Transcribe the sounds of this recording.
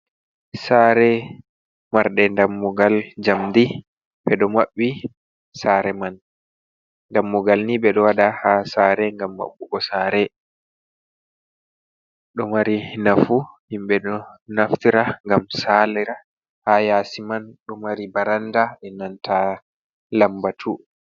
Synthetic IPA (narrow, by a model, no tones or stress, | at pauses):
saːɾɛ | maɾɗɛndamːuɡald͡ʒamd̪i | ɓɛɗɔmaɓːi | saɾɛman | ndamːuɡalnibɛɗɔwaɗahasaːɾɛŋɡamːa̰ɓːukɔsaɾɛ | ɗɔmaɾinafuhimɓɛɗɔnaftiɾaŋɡamsalɛɾa | hajasimanɗɔmaɾibaɾandaʔɛnantʰa | lambatʰu